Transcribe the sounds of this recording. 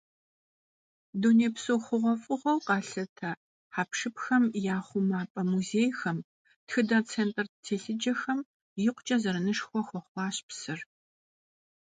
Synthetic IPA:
doneːpsoːχʷʊʁʷɔfʼɨʁʷɔwqɑːɬɐtʰɐ | ħaːpʂɨpxɐmjaːχʷʊmaːpʼɐmuzeːjxɐm | txɨdat͡sʰeːntʼɐrtʰeːɬɨd͡ʒɐxɐm | jɪqʷt͡ʃʼɐzɐɾɐnɨʂxʷɔxʷɔχʷɑːɕpsɨr

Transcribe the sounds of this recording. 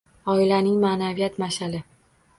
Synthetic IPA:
ɒɪlanɪŋmanavijat̪maʃalɪ

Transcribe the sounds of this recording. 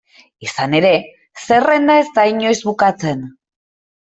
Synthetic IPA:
isane̞ɾe̞ | se̞re̞nd̪ae̞zt̪aiɲo̞jzβukat͡se̞n

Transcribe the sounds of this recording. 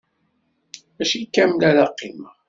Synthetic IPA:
æʃikːæmlælaqːim

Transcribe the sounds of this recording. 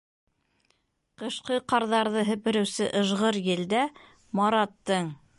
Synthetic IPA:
qɤ̆ʃqɤqɑɾðɑɾðɤɦɘ̆pɘ̆ɾɘ̆wsɘʔɤ̆ʒʁɤɾjɘ̆ld̪æ | mɑɾɑt̪ːɤɴ

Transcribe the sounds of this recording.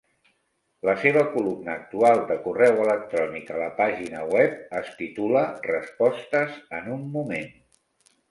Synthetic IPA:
ləseβəkulumnəːk̚t̪ualˠd̪əkurɛwələk̚t̪ɾɔnikələpaʒinəwɛp̚əst̪it̪ulərəspɔst̪əzənumːumen

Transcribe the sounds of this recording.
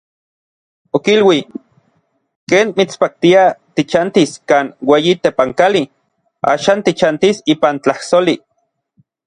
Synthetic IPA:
okilwi | keːnmit͡spak̚t̪iat̪it͡ʃant̪iskaːnweːjit̪epaŋkali | a̰ːʃaːnt̪it͡ʃant̪isiːpant͡ɬahsoli

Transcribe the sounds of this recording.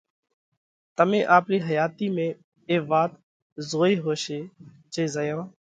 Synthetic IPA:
t̪əmẽːʔaːpɾiːɦəjaːt̪iːmẽː | eːʋaːt̪ | zoːiːɦoːʃeː | t͡ʃeːzəjãː

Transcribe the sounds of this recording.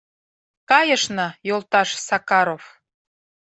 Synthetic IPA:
kɑjəʃnɤjolˠt̪ɑʃsɑkɑɾof

